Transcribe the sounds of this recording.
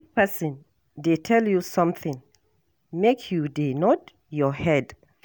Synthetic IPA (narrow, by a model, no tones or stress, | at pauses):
pɛsə̃n | detʰɛljusʌ̃mθɪ̃ŋ | mekʰjudenɔt | jɔhɛd